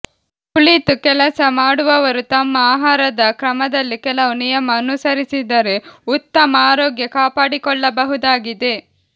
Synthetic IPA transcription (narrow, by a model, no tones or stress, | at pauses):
pulit̪ukɛlɐsɐmaːɽuʋɐʋɐɾut̪ɐmːɐaːɦaːɾɐd̪ɐkɾɐmɐd̪ɐlːikɛlɐʋunijɐmɐːnusɐɾisid̪ɐɾe̞ut̪ːɐmɐaːɾoːɡjɐkaːpaːɽikɔɭːɐbɐɦud̪aːɡid̪e̞